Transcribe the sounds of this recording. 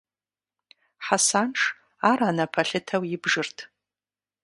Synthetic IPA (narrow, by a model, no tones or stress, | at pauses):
ħasanʈ͡ʂʰ | aɾanapʰaɬɪtʰawibʐɨrtʰ